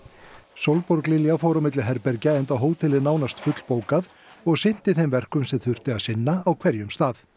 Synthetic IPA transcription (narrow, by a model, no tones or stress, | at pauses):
sowlpɔɾklɪljafɔɾawmɪt̪lɪɦɛɾpɛɾcaejnt̪aɦoːwt̪ʰɪlɪnaːwnast̪fʏt̪l̥poːwkað | ɔɣsɪn̥t̪ɪθejmvɛr̥kʏmsɛmθʏr̥t̪ɪaðsɪnːaawkʰvɛɾjʏmst̪aːð